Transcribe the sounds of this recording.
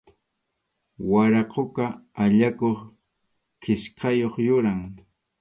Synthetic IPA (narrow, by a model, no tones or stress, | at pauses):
waɾaqokaaʎakoχ | kɪʃqɑjoχjʊɾaŋ